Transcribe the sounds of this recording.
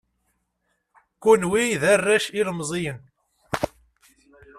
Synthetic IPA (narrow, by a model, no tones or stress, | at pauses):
kunwiðarːæʃilmzˤijən